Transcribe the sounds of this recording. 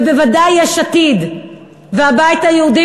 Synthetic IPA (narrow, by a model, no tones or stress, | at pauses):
bevadajːeʃat̪id̪ | veabajit̪ajeud̪i